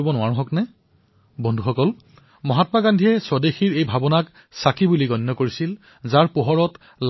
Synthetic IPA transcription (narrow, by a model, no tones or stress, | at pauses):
ibɔnʊaɹɔ̃ɦɔknɛ | bɔndʱuxɔkɔl | mɔɦatmaɡandʱiɛsɔdexiɹejbʱabɔnak | sakibuliɡɔnːɔkoɹisil | zaɹpoɦɔɹɔt | l